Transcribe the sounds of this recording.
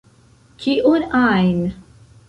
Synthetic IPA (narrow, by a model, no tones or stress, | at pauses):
kʰiʔunajn